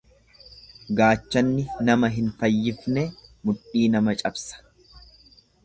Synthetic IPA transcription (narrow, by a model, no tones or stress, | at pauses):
ɡaːt͡ʃːɐnːɪnɐmɐɦɪnfɐjːɪfnɛmʊᶑiːnɐmɐt͡ʃʼɐbsɐ̥